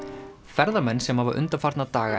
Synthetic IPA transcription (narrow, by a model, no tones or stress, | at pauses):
fɛɾðamɛnːsɛmhava̰ʔʏ̰nt̪afaɾt̪nat̪aːɣa